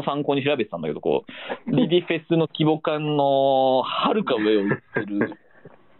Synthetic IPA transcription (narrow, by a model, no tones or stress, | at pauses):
osãŋkoːɲ̟iɕ̬iɾabe̞t̪et̪ãnd̪aked̪oko̰ːɾʲid̪ʲiɸe̞sɨno̞kʲibo̞kãnːo̞haɾɯ̟kaɯeot͡sseɾɯ̟